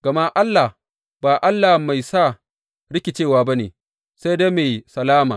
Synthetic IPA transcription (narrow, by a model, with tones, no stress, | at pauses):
ɡ̥ɐ˨ma˦ʔa˦lːa˨ | baː˨ʔa˦lːa˨hma˨jsa˦˨ | ɽɪ˦kʲɪ˨t͡ʃeː˦˨waː˨ba˦neː˨ | sa˦jda˦meː˨sɐ˨laː˦maː˨